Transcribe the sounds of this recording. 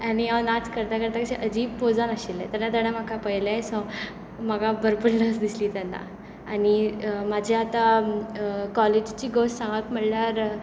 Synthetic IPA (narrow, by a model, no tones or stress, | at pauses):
añianat͡skəɾt̪akəɾt̪akəɕeʔəd͡ʑiːʋpod͡zanaɕilːḛ̃t̪anat̪əɽ̃amakʰapəjlaesɔ̃ | məɡabəɾbəɳləsd̪isliːt̪anːa̰ | aɽimad͡ʑʱiat̪a | kɔled͡ʑt͡ɕiːɡossãŋɡat̪m̤əɽlaɾ